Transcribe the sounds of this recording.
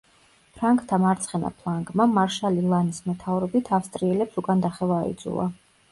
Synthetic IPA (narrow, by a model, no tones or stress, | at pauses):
pʰɾaŋkʰʼt̪ʰamaɾt̪sʰχɛna̰pʰlˠaŋɡʼmamaɾʃalilˠanismɛt̪ʰavɾɔbit̪ʰafst̪ʼɾiɛlɛpsukʼand̪aχɛvaːḭd̪zṵlˠa̰